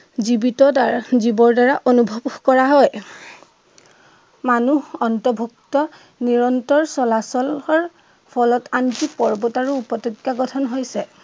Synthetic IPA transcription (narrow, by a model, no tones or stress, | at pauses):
zibitɔdaɹzibɔɹdaɹaʔonubʱɔbkɔɹaɦɔj | manuɔntɔbʱuk̚tɔ | niɹɔntɔɹsɔlasɔlɔɹ | pʰɔlɔtantipɔɹbɔtaɹuːpɔtɔkjaɡɔtʰɔnɦojsɛ